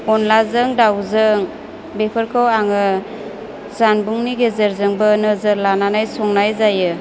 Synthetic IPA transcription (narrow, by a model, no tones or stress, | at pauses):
ɔnlazɯŋdawzɯŋ | bepʰəɾkʰawaŋɯ | z̥anbuŋniɡezəɾzɯŋbɯnəzəɾlananajsɔŋnajzajɯ